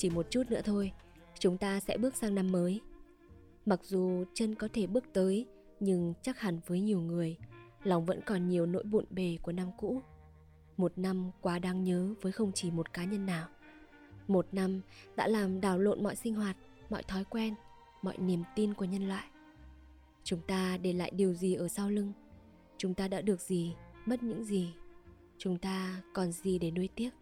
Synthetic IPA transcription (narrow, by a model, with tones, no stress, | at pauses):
t͡ɕi˧˩mo˨˩t̚t͡ɕu˦˥t̚nɨ̰˧˥ət̪ʰo˧j | t͡ɕʊ˨˦ŋ͡mt̪aː˧sɛ̰˧˥ɓɨ˦˥ək̚saː˧ŋna˧mːəː˨˦j | ma˨˩k̚zu˨˩t͡ɕə˧nkɔ˨˦t̪ʰe˧˩ɓɨ˦˥ək̚t̪əː˨˦j | ɲɨ˧ŋt͡ɕa˦˥k̚ha˨˩ŋvəː˨˦jɲi˨˩əwŋɨ˨˩əjlɔ˨˩wŋ͡mvə̰˧˥nkɔ˨˩nɲi˨˩əwno̰˧˥jɓṵ˧˨nɓe˨˩ku˧˩əna˧mkṵ˧˥ | mo˨˩t̚na˧mkwaː˨˦ɗaː˨˦ŋɲəː˨˦vəː˨˦jxə˧wŋ͡mt͡ɕi˧˨˩mo˨˩t̚kaː˨˦ɲə˧nːaː˨˩w | mo˨˩t̚na˧mɗa̰ː˧˥laː˨˩mɗaː˧˩wlo̰˧˨nmɔ̰˧˨jsï˧ŋ̟ɦwaː˨˩t̚ | mɔ̰˧˨jt̪ʰɔ˨˦jkwɛ˧n | mɔ̰˧˨jni˨˩əmt̪i˧nku˧˩əɲə˧nlwa̰ː˧˨jʔ | t͡ɕʊ˨˦ŋ͡mt̪aː˧ɗe˧˩la̰ː˧˨jɗi˨˩əwzi˨˩ʔəː˧˩saː˧wlɨ˧ŋ | t͡ɕʊ˨˦ŋ͡mt̪aː˧ɗa̰ː˧˥ɗɨ˨˩ək̚zi˨˩mə˦˥t̚ɲɨ̰˧˥ŋzi˨˩ | t͡ɕʊ˨˦ŋ͡mt̪aː˧kɔ˨˩nzi˨˩ɗe˧˩nu˧əjt̪i˦˥ət̚